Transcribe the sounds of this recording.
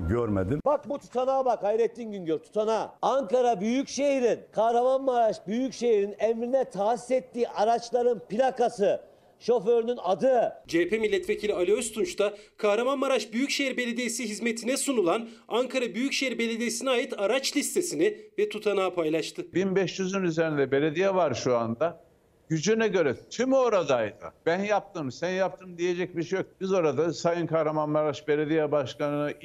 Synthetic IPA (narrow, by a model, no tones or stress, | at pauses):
ɟøɾmḛd̪inbak̚but̪ʰu̥t̪ʰanaːbakʰajɾet̪ːinɟynɟøɾt̪ʰu̥t̪ʰanaːaŋkaɾabyjycʃeiɾinkʰahɾamanmaɾaʃbyjycʃe̞jiɾinɛmɾinɛt̪ʰaːsi̥sɛt̪ːiːʔaɾat͡ʃlˠaɾɯnpilʲakasɯ | ʃo̞føɾynynad̪ɯd͡ʒɛpʰemilʲːɛt̪vecʰilʲialʲiøst̪ʰunt͡ʃt̪ʰakʰaɦɾamanmaɾaʃbyjycʃejiɾbe̞lʲed̪ejisiɦizmet̪ʰinɛsunulˠan | aŋkʰaɾabyjycʃeiɾbe̞lʲed̪ijesiniaːjɯt̪aɾat͡ʃlʲist̪ʰe̞sinivɛt̪ʰut̪ʰanaːpʰajlˠaʃt̪ʰɯbinbɛʃt͡ʃyzynyzeɾind̪ɛbe̞lʲed̪ijɛvaɾʃuand̪a | ɟ̥yd͡ʒynɛɟø̞ɾɛt̪ʰymo̞ɾad̪ajd̪ɯ̰b̥ænjap̚t̪ʰɯːmsænjap̚t̪ʰɯːmd̪ije̞d͡ʒɛc̚biʃejok̚bizo̞ɾad̪asajɯnkʰahɾamanmaɾaʃbe̞lʲed̪ijɛbaʃkanɯnaʔ